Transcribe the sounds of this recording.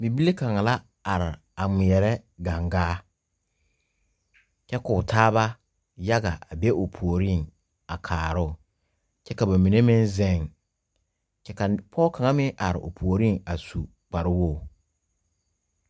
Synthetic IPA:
bi˨bi˦le˦ka˨ŋa˨la˦ | a˨ɾɪ˨ | a˨ŋ͡mɪ˨jɛ˨ɾɛ˦ɡa˨ŋɡaː˦ | t͡ʃɛ˦kʊ˨tʰaː˦βa˦ | ja˦ɡa̰˨ʔa˨be˦ʔo˨pʰu˨o˨ɾi˦˨ŋ | a˨kʰaː˨ɾʊ˦˨ | t͡ʃɛ˦ka˨ba˨mi˨ne˦mɪ̃˦nzɛ˦˨ŋ | t͡ʃɛ˦ka˨pʰɔ˦kʰa˨ŋa˦mɪ˦ʔa˨ɾɪ̰˨ʔo̰˨pʰu˨o˨ɾi˦ŋa˨su˨ | k͡pa˨ɾɪ˦wo˦˨

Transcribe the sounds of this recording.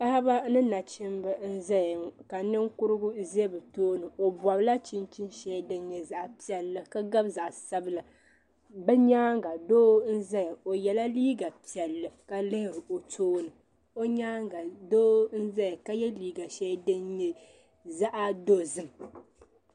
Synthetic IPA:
pa˦ha˦ba˦nɨ˦na˨t͡ʃɪ˦mbɨ˦n̩˦zɛ˦jka˨nɨ˦ŋkʊ˦ɾɨ˦ɡʊ˦ze˦bɨ˨toː˦nɨ˨o˨bɔ˨bla˦t͡ʃi˦nt͡ʃi˦nʃɛ˦dɨ˦nɲɛ˨za˨ʔa˨pi˨ɛ˨lːɨ˨ka˦ɡa˦bza˨ʔsa˦bɨ˦la˨ | bɛ˦ɲaː˦ŋɡa˨doː˦n̩˦za˦jo˨jɛ˨la˦liː˦ɡa˨pi˨ɛ˨lːɨ˨ka˨lɨ˦hɪ˨ɾɨ˨ʔo˨tʰoː˦nɨ˨ | o˦ɲaː˦ŋɡa˨doː˦n̩˦za˦jka˦jɛ˦liː˦ɡa˨ʃɛ˦dɨ˦nɲɛ˨ | za˦ʔa˦do˦zɨ˦m

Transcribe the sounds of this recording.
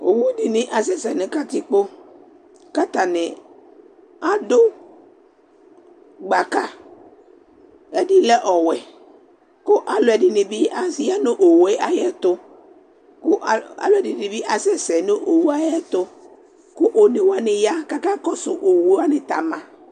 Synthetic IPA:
o̰˨wu˦di˨nɪ̃˨ʔa˨s̬ɛ˦sɛ˨nɪ̃˨ka˦t̪i˦k͡po˦ | ka˦t̪a˨nɪ˨ | a˦dʊ˦ | ɡ͡ba˨ka˦ | e˦di˦lɛ˦ʔɔ˨wɛ˨ | kʊ˦ʔa˨lʊ˨ɛ˨dɪ˨nɪ˨bi˦a˨si˦ja˦nʊ˦ʔo˨we˦ʔa˦jɛ˦t̪ʊ˦ | kʊ˦a̰˨lo˨ɛ˨di˨˦˨ɪ˨bi˦ʔa˨sɛ˦sɛ˨nʊ˦ʔo˨wu˦a˦jɛ˦t̪ʊ˦ | kʊ˦ʔo˨nɪ˨wa˦nɪ˨ja˦ka˦ka˦kɔ˦sʊ˨ʔo˨wu˨˦a˦nɪ˨t̪a˨mã˨

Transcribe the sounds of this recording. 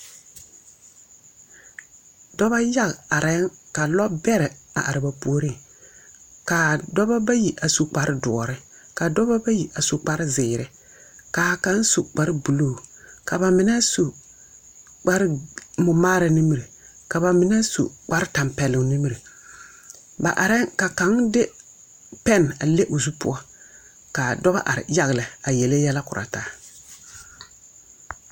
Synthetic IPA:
dɔ˦ba˦ja˦ɣa˨ɾɛ˨˦ŋka˨lɔ˦bɛ˦ɾɪ˨a̰˨ʔa˨ɾɪ˨ba˨pu˦o˦ɾi˦˨ | ka˨dɔ˦ba˦ba˦ji˨ʔa˨su˨k͡pa˨ɾɪ˦dɔ˨ɔ˨ɾɪ˦ | ka˨dɔ˦ba˦ba˦ji˨ʔa˨su˨k͡pa˦ɾɪ˦zɪː˨ɾɪ˦ | kaː˨ka˦n˦su˨k͡pa˦ɾɪ˦bu˨loː˦˨ka˨ba˨mɪ˨˦nɛ˦su˨ | k͡pa˦ɾɪ˦mʊ˨maː˦ɾa˨ni˦m˦ɾi˨ | ka˨ba˨mɪ˨˦nɛ˦sṵ˨k͡pa˦ɾɪ˦ta˨mpɛ˨lʊ˨ŋni˦m˦ɾi˨ | ba̰˨ʔa˨ɾɪ˦ka˨ka˨˦ŋdɪ˦ | pɛ˦˨n˨a˨le˦ʔo˨zu˦pʊ̰˦ɔ˦ | ka˨dɔ˦ba̰˦ʔa̰˨ɾɪ̰˨ja˦ɣɪ˨lɪ˨a˨jɛ˨le˦jɛ˦la˦kʊ˨ɾʔa̰˨taː˦

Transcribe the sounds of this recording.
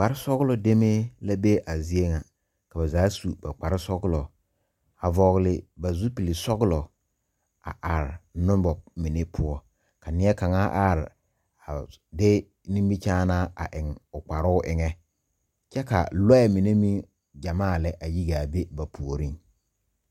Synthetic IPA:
k͡pa˨ɾɪ˦sɔ˦ɣlɔ˨de˦me˦la˦be˦ʔa˨zi˦e˦ŋa˨ | ka˨ba˨zaː˨˦su˨ba˨k͡pa˨ɾɪ˦sɔ˦ɡlɔ˨ | a˨vɔ˨ɣlɪ˨ba˨zu˦pi˨li˨sɔ˦ɣlɔ˨ | a̰˨ʔa˨ɾɪ˨nʊ̃˦mbɔ˨mi˨ne˦pʰʊ˦ɔ˦ | ka˨nɪ˦ɛ˦ka˨ŋaː˦ʔa˦ɾɪ˨ | a˨de˦ | nĩ˦mbi˦t͡ʃaː˦naː˦a̰˨ʔɪ˨ŋʊ˨k͡pa˨ɾʊ˦ʊ˦ʔɪ˨ŋɛ˦ | t͡ʃɛ˦ka̰˨lɔ˦ɛ˨mi˨ne˦mi˦ | d͡ʒa˨maː˦˨lɛ˦ʔa˨ji˦ɡa˨be˦ba˨pʰu˨o˨ɾi˦ŋ

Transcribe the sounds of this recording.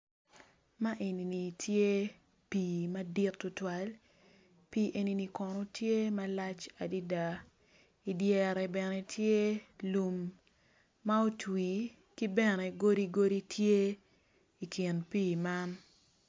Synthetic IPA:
ma˦ʔe˨ni˨ni˨tʰje˦ | piː˨ma˦di˦tːʊ˦twa˦l | pi˦ʔe˦ni˦ni˨kɔ˨nɔ˦tje˦ma˦la˦t͡ʃa˨di˦da˨ | i˨djɛ˨ɾɛ˨bɛ˨nɛ˨tʰje˦lu˨mː | a˦o˦twi˨ | ki˦bɛ˦nɛ˨ɡo˦di˦ɡo˦ɾi˦tʰje˦ | i˨kʰi˨npiː˦˨ma˦n

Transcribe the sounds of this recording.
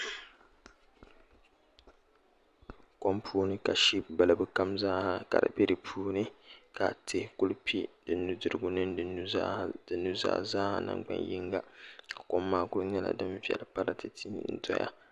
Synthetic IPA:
ko˦mpʰuː˦nɨ˦ka˨ʃi˦pba˨lɨ˨bɨ˦ka˦mzaː˦ha˨ka̰˨ɾɨ̰˨be˦dɨ˨pʰuː˦nɨ˦ka˨tʰe˦ku˦lpʰi˦d̥ɨ˨nːu˦dɨ˨ɾɨ˦ɡʊ˦nɨ˦ndɨ˨˦d̥ɨ˨nːu˦za̰ː˦zaː˦ha̰˨na̰˨ŋɡ͡ba̰˦nji˦ŋɡa˨ka˨ko˦mːaː˦kʊ˦lɲɛ˦la̰˨dɨ˦ɱvi˦ɛ̰˨lpa˦ɾa˦tɨ˨tʰi˦˨˦n̩˦tɔ˦ja̰˦

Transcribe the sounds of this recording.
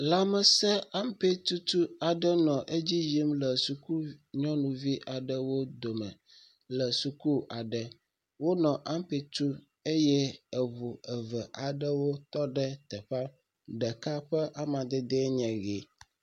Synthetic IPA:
la˦mə˨sɛ˦a˦mpe˦t̪u˦t̪u˦a˨ɖə˦nɔ̃˨ʔe˦d͡ʑi˦ji˦mlə˨su˨ku˦ɲɔ̃˦nũ˨vi˦ʔa˨ɖə˦wo˦d̪o˨mɛ̃˨ | lə˨su˨ku˦a˨ɖɛ˨ | wo˦nɔ̃˨ʔa˦mpe˨t̪u˦ | e˦jɛ˦ɛ˨βu˨ɛ˨və˨ʔa˨ɖə˦wo˦t̪ɔ˦ɖɛ˦t̪ɛ˨ɸa˦ | ɖɛ˨ka˦ɸɛ˦ʔa˦mã˨d̪ɛ˦d̪e˦ɲɛ̃˨ɡe˨

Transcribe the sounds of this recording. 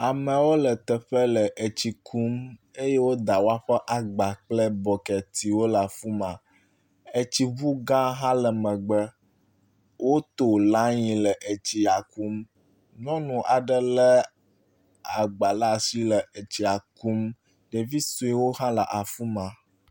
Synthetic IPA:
a˨mɛ̃˨wo˦lə˨t̪ɛ˨ɸɛ˦lɛ˨ʔe˨t͡ɕi˨kʰu˦m | e˦je˦wo˦d̪a˨wo˦a˦ɸɛ˦ʔa˨ɡ͡ba˨k͡plɛ˦bɔ˨kɛ˨t̪i˨wo˦la˨fu˦mã˨ | e˨t͡ɕi˨βu˦ɡã˦ɦã˦lɛ˨mɛ̃˨ɡ͡bɛ˦ | wʔo˦t̪o˨la˦ɲĩ˨lɛ˨ʔe˨t͡ɕi˨a˨ku˦m | nɔ̃˦nũ˨ʔa˨ɖə˦lɛ˦ | a˨ɡ͡ba˨la˦˨si˦lɛ˨ʔe˨t͡ɕi˨a˨ku˦m | ɖe˨vi˦so˦i˦wo˦ɦã˦la̰˨ʔa˨fu˦mã˨

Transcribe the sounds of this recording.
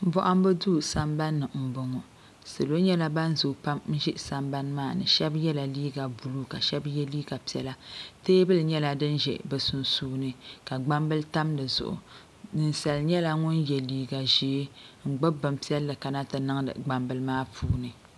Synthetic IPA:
m̩˦bɔ˦ʔa˦m˦bɨ˦duː˦sa˦mba˦nːɨ˨m̩˨bʊ˨ŋɔ˨ | sɨ˨lo˦ɲɛ˦la˦ba˦n˦zu˨pa˦mn̩˦ʒɪ˦ʔsa˨mba˦n˦maː˦˨nɨ̰˨ʃɛ˦bjɛ˦la˨liː˦ɡa˨bu˨lu˦ka˨ʃɛ˦bjɛ˦liː˦ɡa˨pi˨ɛ˨la˦teː˦bɨ˦lɲɛ˦la˦dɨ˦nʒɛ̰˨bɨ˨su˨nsuː˦nɨ˨ka˨ɡ͡ba˦mbɨ˦lta˦mdɨ˨zʊ̰˨ʔʊ̰˨ | nɨ˨n˦sa˨lɲɛ˦la˦ŋʊ˦njɛ˨liː˦ɡa˨ʒeː˨˦ŋ̩˨ɡ͡bɨ˦bɨ˨mpi˦ɛ˦lːɨ˨ka˨na˦tɨ˨nɨ˦ŋ˦dɨ̰˨ɡ͡ba˨mbɨ˨lmaː˦pʰuː˦nɨ˨

